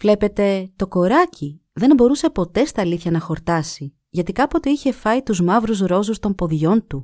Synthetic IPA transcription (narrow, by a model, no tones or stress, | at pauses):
vle̞pe̞t̪e̞t̪o̞ko̞ɾɐci | ðe̞nbo̞ɾuse̞po̞t̪e̞st̪ɐːliθçɐnɐxo̞ɾt̪ɐsi | ʝɐt̪ikɐpo̞t̪oiçe̞fɐit̪uzmɐvɾuzɾo̞zust̪o̞mpo̞ðʝo̞nt̪u